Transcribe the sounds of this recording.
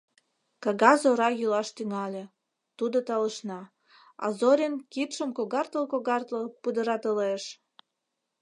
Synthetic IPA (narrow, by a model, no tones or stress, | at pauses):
kɑɣɑzoɾɑjylɑʃt̪yŋɑlʲĕ | t̪ud̪ot̪ɑləʃnɑ | ɑ̰zoɾʲenkit̪ʃəmkoɣɑrt̪əlkoɣɑrt̪ləpud̪əɾɑt̪əleʃ